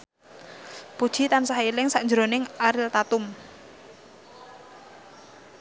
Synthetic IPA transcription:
pud̥ʒ̥i̤t̪ansaɦilɪŋsaʔɲd͡ʒəɾonɪŋaɾɪlt̪at̪ʊm

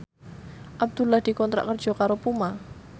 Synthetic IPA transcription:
ʔab̚d̪̥ulahd̪̥i̤kɔnt̪ɾa̰ʔkərd̥ʒ̥ɔ̤kaɾopuma

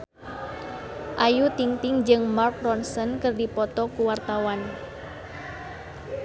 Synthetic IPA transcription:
ʔajut̪iŋt̪ɪŋd͡ʒɨŋmark̚rɔnsɔnkərdipɔt̪ɔkuwart̪awan

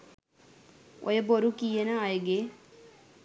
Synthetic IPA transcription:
o̰jəboɾukijenəajəɡe

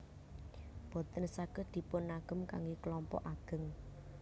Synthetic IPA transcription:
b̥ɔ̤t̪ənsaɡ̥əd̪̥i̤pʊnːaɡ̥ə̤mka̰ŋɡeklɔmpɔ̰ʔaɡ̥ə̤ŋ

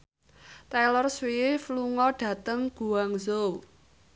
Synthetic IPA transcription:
t̪ɛlɔrswifluŋɔɖ̥ä̤t̪əŋɡ̥ṳwaŋzow

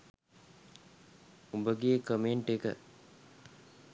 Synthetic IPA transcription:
ubəɡejekəmeɳʈekə̰

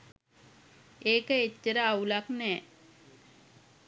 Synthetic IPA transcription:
eːkəecːəɾəaulaknɛː

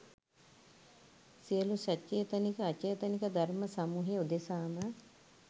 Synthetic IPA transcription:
siəlusat͡ʃːeːt̪ənikəat͡ʃeːt̪ənikəd̪ʱaɾməsamuːɦeud̪esaːmə

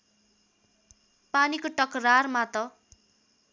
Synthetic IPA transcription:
panikoʈʌkrarmat̪ʌ

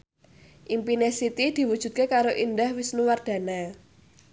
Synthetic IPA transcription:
ʔimpinesit̪id̪̥i̤wud̥ʒ̥ṳt̪̚kekaɾoʔind̪ahwisnuward̪̥a̤na

